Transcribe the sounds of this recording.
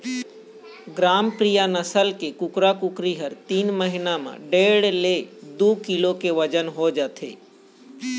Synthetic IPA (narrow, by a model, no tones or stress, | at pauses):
ɡɾaːmpɾijanəsəlkekʊkɾakʊkɾiɦəɾt̪iːnməɦɪnamã̰ɖeːɽled̪uːkɪlokeʋəd͡ʒənɦod͡ʒat̪ʰḛː